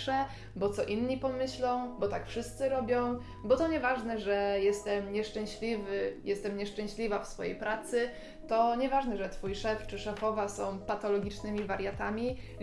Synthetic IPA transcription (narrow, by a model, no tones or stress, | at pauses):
ʂɛ | bɔt̪sɔʔinɲipɔmɘɕlɔ̃w̃bɔt̪akfʂɘst̪sɘɾɔbʲjɔ̃w̃ | bɔt̪ɔɲɛvaʐnɛʐɛjɛst̪ɛmɲɛʂt͡ʂɛ̃ɕlʲivɘjɛst̪ɛmɲɛʂt͡ʂɛ̃w̃ɕlʲivafsfɔjḛjpɾat̪sɘ | t̪ɔɲɛvaʐnɛʐɛt̪fujʂɛft͡ʂɘʂɛfɔvasɔ̃w̃pat̪ɔlɔɡʲit͡ʂnɘmʲivaɾʲjat̪amʲi